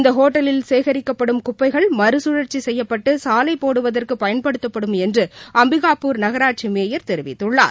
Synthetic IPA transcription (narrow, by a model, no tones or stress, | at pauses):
ɪnd̪ɐɦoːʈːɐlɪlseːɣɐɾɪkːɐpːɐɽɯmkʊpːɐɪɣɐɭmɐɾɯsʊɻɐɾt͡ʃːisɛjːɐpːɐʈːɯsaːlɐɪpːoːɽɯʋɐðɐrkɯpɐjɐnpɐɽɯt̪ːɐpːɐɽɯmɛndrɯʔɐmbɪɣaːpuːɾnɐɣɐɾaːʈ̚t͡ʃimeːjɐɾt̪ɛɾɯʋɪ̰t̪ːɯɭːa̰ːɾ